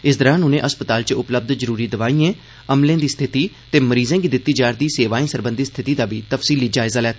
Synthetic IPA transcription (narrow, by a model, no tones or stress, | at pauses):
ɪs̬d̪əɾãːnʊnẽːʔəspət̪aːlt͡ʃəʊpləb̚d̪zəɾuːɾiːd̪əʋaːiːẽː | əmlẽːd̪iːst̪ʰɪt̪iː | t̪eːməɾiːzẽːɡiːd̪ɪt̪ːiːd͡ʒaːɾd̪iːseːʋaːĩːsəɾbənd̪iːst̪ʰɪt̪iːd̪aːbiːt̪əfsiːliːd͡ʒaːɪzaːlɛːt̪ː